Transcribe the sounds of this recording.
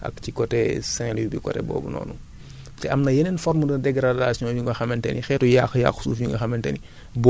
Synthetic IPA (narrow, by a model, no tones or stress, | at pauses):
ʔɐ̰kcikɔtɛsɛliibikɔ̰tɛ̰bɔ̰ːbunɔ̰ːnṵ | tɛɐmnɐjenɛnfɔɾmdɐdɛɡɾadaːsiɲɔjuŋɡɐxɐmɛntɛnixɛːtujaxja̰xsuːfjuŋɡɐxɐmɛntɛ̰ni | b